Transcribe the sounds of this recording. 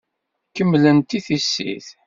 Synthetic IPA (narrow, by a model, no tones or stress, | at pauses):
kəmːlənt̪iθisːḭθ